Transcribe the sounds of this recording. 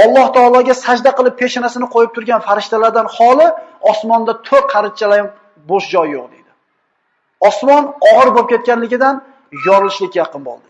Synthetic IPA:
ɒlˠːɒht̪ʰɒːlˠɒɡʲasad͡ʒd̪aqɨlˠɪp̚ʰːe̞ʃanasɪnɪqʰojɪp̚t̪ʰʊɾɡʲanfaɾɪʃt̪alaɾd̪anhɒlˠɪɒsmɒnd̪at̪ʰoɾ̚qʰɑɾɪt̪̚t͡ʃʰalajɪm | boʃd͡ʒɒjːoq̚d̪e̞jd̪ɪ | ɒsmɒnɒʁɨɾbop̚kʲʰet̪̚kʲanlɪɡʲɪd̪an | jɒɾɪlˠɪʃlɪkʲjɑqɨnbo̰lˠd̪ɪ

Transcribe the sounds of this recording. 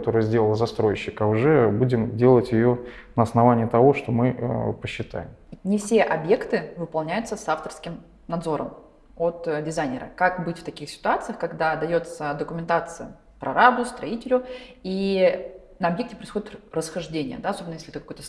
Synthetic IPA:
t̪o̞ɾɨjzʲdʲelˠəlˠzɐst̪ɾo̞jɪɕːɪkaʊʐɛbudʲɪmdʲe̞lˠətʲjɪjo | nəɐsnɐvanʲɪːt̪ɐvo̞ʂt̪o̞mɨpəɕːɪt̪a̰jɪmnʲɪfsʲe̞ʔɐbje̞kt̪ɨvɨpɐlˠnʲæjʊt̪səsaft̪ərskʲɪm | nɐd̪zo̞ɾə̰m | ot̪dʲɪzajnʲɪɾə̰kakbɨtʲft̪ɐkʲixsʲɪ̥t̪ʊat̪sɨjəxkɐɡd̪ad̪ɐjo̞t̪səd̪əkʊmʲɪnt̪at̪sɨjə | pɾʔɐ̰ɾabʊst̪ɾɐitʲɪlʲʊi | nəɐbje̞ktʲɪpɾəɪjsxo̞dʲɪt̪rəsxɐʐdʲenʲɪjə̰d̪aɐsobʲnəjesʲlʲɪɛt̪ɨkɐkojt̪ə

